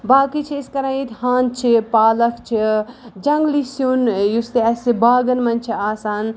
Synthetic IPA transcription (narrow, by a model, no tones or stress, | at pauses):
baːkit͡ʃʰiːskɐɾãːjit̪haːnt͡ʃʰipaːlɐkʰt͡ʃʰid͡ʒɐŋɡlisjunjust̪iɐsibaːɡɐnmɐnt͡ʃʰiaːsaːn